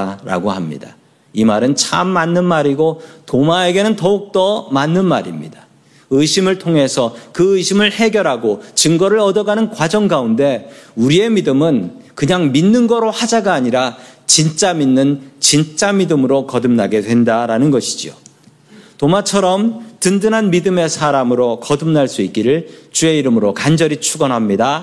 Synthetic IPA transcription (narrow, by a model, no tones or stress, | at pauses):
ɾa̰ɡohamɲḭda | imaɾɯnt͡ɕʰamːanːɯnmaɾiɡotomae̞ɡe̞nɯntʌuk̚t͈ʌmanːɯnmaɾḭmɲḭda | ɯɕʰimɯɭtʰoŋɦe̞sʰʌkɯɯɕʰimɯɭhe̞ɡjʌɾɦaɡot͡ɕɯŋɡʌɾɯɾʌdʌɡanɯnkwad͡ʑʌŋɡaunde̞uɾie̞midɯmɯnkɯɲaŋminːɯnɡʌɾohad͡ʑaɡaːɲiɾat͡ɕint͡ɕ͈aminːɯnt͡ɕint͡ɕ͈amidɯmɯɾokʌdɯmnaɡe̞dwe̞ndaɾanɯnɡʌɕʰi̥d͡ʑio̰ | tomat͡ɕʰʌɾʌmtɯndɯnɦanmidɯme̞sʰaɾamɯɾokʌdɯmnaɭs͈uik͈̚iɾɯɭt͡ɕue̞iɾɯmɯɾokand͡ʑʌɾit͡ɕʰuɡʌnɦamɲida